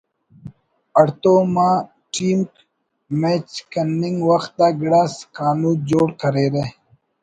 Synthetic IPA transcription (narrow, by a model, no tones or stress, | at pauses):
ɐɽt̪oːmãː | ʈiːmk | met͡ʃkɐnːɪŋɡwɐxt̪̚d̪aːɡɽaskaːnuːd͡ʑoːɽkɐɾeːɾe